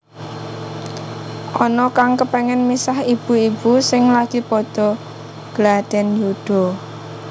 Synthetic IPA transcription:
ʔɔnɔkaŋkəpɛŋɛnmisahib̥ṳib̥usɪŋlaɡ̥ipɔd̪̥ɔ̤ | ɡ̥lad̥ɛ̤njud̥ɔ̤

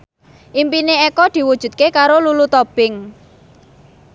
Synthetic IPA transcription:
ʔimpineekɔd̪̥i̤wud̥ʒ̥ṳt̪̚kekaɾolulut̪ɔb̥ɪŋ

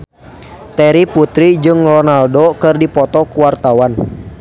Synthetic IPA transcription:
t̪ɛɾiput̪ɾid͡ʒɨŋrɔnaldokɨrdipɔt̪ɔkuwart̪awan

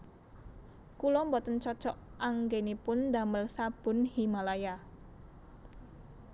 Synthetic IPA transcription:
kulɔmbɔt̪ənt͡ʃɔt͡ʃɔʔʔaŋɡenipʊnd̪a̤məlsab̥ʊ̤nhimalaja

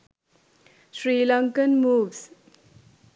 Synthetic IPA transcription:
ʃɾiːlʌŋkənmuːʋs

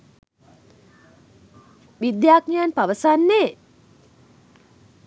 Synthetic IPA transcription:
ʋid̪jaːknijanpaʋəsanːe

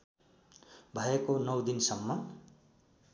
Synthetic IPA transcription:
bʱʌjekonʌwd̪insʌmːʌ

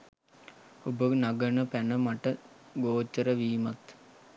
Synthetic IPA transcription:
obənaɡənəpænəmaʈəɡoːt͡ʃːəɾəʋiːmat̪

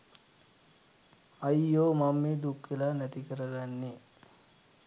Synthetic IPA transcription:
ɐjːoːmamːed̪ukːʋelanæt̪ikəɾəɡanːe

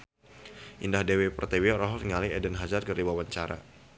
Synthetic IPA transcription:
ʔindahdewepərt̪ɛwiɔɾaɦɔliŋaliɛdɛnɦazarkəriwawaɲt͡ʃaɾa̰

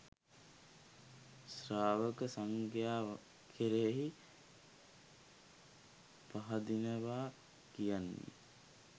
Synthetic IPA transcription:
sraːʋəkəsaŋɡjaː | kʰeɾeɦi | paɦad̪inəʋaː | kijan̰ːḭ

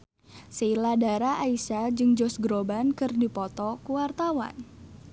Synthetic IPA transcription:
siiladaɾaʔaisad͡ʒɨŋd͡ʒɔsɡɾobankɨrdipɔt̪ɔkuwart̪awa̰n

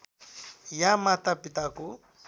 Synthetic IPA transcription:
jamat̪apɪt̪akʊ

